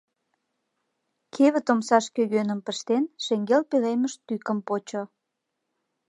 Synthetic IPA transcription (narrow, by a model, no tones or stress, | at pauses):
kʰeβə̆t̪omsɑʃkøɣønəmpəʃt̪enʃeŋɡelpeleməʃt̪ykəmpot͡ɕo